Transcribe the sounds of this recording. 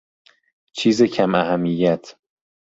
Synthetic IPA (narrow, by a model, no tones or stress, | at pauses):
t͡ʃʰiːzecʰæmæhæmːijæt̪ʰ